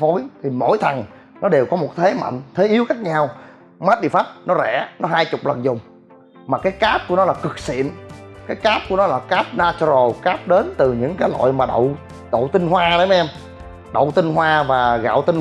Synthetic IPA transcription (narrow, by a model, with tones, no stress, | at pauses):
fo˨˦jt̪ʰi˨˩mo̰˧˥˨jt̪ʰə˨˩ŋ | nɔ˨˦ɗe˨˩wkɔ˨˦mo˨˩t̚t̪ʰe˨˦ma̰˧˨jŋ̟t̪ʰe˨˦ʔi˨˦əwxaː˦˥k̚ɲaː˧w | ma˦˥t̚ɗḭ˧˨faː˦˥p̚nɔ˨˦zɛ̰˧˩nɔ˨˦ɦaː˧jt͡ɕʊ˨˩k͡p̚lə˨˩nzʊ˨˩ŋ͡m | maː˨˩kaː˨˦jkaː˦˥p̚ku˧˩ənɔ˨˦laː˨˩kɨ˨˩k̚sḭ˧˨ənkaː˨˦jkaː˦˥p̚ku˧˩ənɔ˨˦laː˨˩kaː˦˥p̚naː˧t͡ɕzo˨˩kaː˦˥p̚ɗe˨˦nt̪ɨ˨˩ɲɨ̰˧˥ŋkaː˨˦jlo̰˧˨jmaː˨˩ɗə̰˧˨w | ɗə̰˧˨wt̪i˧nɦwaː˧ɗə˨˦ʔɛ˧m | ɗə̰˧˨wt̪i˧nɦwaː˧vaː˨˩ɣa̰ː˧˨wt̪i˧n